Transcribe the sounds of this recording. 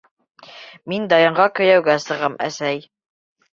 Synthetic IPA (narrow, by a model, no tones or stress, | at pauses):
mind̪ɑjɤ̆ɴɢɑkɵ̆jæwɡæsɤ̆ʁɤmæ̰sæj